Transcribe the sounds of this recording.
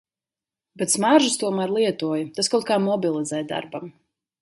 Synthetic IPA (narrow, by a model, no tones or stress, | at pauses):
bɛt̪smaɾʒust̪uɔmaːɾlˠiɛt̪uɔjt̪askawt̪̚kaːmɔbilˠid̪zɛjd̪a̰ɾbam